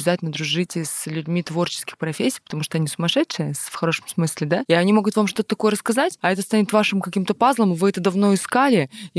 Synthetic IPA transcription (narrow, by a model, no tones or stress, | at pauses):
bɪzatʲɪlʲnəd̪ɾʊʐɨtʲɪslʲʉdʲmʲit̪vo̞rt͡ɕɪskʲɪ̥xpɾɐfʲesʲːi̥ːpət̪ɐmuʂt̪oɐnʲisʊmɐʂɛtʂɨjəsfxɐɾo̞ʂəmsmɨsʲlʲɪd̪aiɐnʲimo̞ɡʊt̪vamʂt̪o̞t̪ət̪ɐko̞jəɾəskɐzatʲɐɛt̪əst̪anʲɪt̪vaʂɨmkɐkʲimt̪əpazlˠəmvɨɛt̪əd̪ɐvno̞ɪskalʲɪ